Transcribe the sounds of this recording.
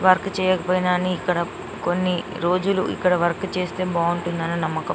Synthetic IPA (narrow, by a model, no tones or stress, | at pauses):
ʋɐɾkt͡ʃɛːjɔːkɐpoːjinaniːkːɐɽɐ | konːi | ɾo̞ːd͡ʒuluʔḭkːɐɽɐʋɐɾkt͡ʃe̞ːst̪e̞ːbaːuɳʈunːaːnunɐmːɐkɐ